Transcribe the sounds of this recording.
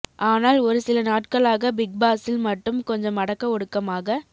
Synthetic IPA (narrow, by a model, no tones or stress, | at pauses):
ʔaːnaːlɔɾɯsɪlɐnaːʈkɐɭaːɣɐbɪɡ̚baːsɪlmɐʈːɯmkɔɲd͡ʒɐ̃mːɐɽɐkːɐɔɽɯkːɐmaːɣɐ